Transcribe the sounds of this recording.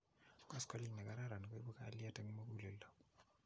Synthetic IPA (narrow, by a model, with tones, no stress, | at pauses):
kɔ˦skɔ˦li˦ŋnɛ˨ka˦ɾa˦ɾa˨n˨ko˦i˦bo˦ka̰ː˦lja˦tɛ˦ŋ˦mo˦ku˦le˨lɔ˨